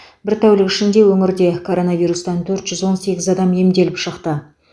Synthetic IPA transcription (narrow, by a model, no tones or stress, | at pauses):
bɪɾt̪ʰæwlɪkʲɪʃɪnd̪e̞wɵŋɪɾd̪e̞kʰo̞ɾo̞nɑvijɾust̪ɑnt̪ʰɵɾt̪ʒʏzwo̞nse̞ɡʲɪzɑd̪ɑmje̞md̪e̞lɪpʃəqt̪ə